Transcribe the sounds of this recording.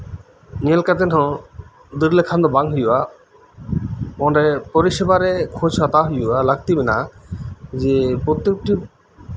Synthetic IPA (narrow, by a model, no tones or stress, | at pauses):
ɲelkat̪enɦɔ̃ | d̪iɾlekʰand̪ɔbaŋɦujua | ɔɖepoɾiʃebaɾekʰõd͡ʑʰat̪aɦujualaɡ̚t̪ibina | d͡ʑepɾot̪ːek̚ʈi